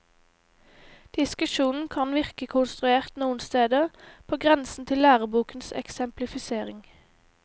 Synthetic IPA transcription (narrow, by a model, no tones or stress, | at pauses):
d̪̥ɪskʉʃuːnn̩kʰɑnʋɪʁkəkʰʊnst̪ʁʉeːʁt̪nuːən̩st̪eːd̪əpʰoːɡʁɛnsn̩t̪ʰɪlːæːʁəbuːkn̩sɛ̰ksɛmplɪfɪseːʁɪŋ